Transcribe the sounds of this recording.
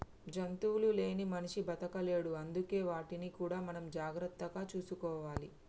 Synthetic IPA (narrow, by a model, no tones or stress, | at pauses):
d͡ʒɐnt̪uːlule̞ːnimɐniʂibɐt̪ɐkɐljɐɽuɐnd̪uke̞ːʋaːʈinikuːɽaːmɐnɐmd͡ʒaːɡɾɐt̪ːɐɡaːt͡ʃuːsukɔːʋaːli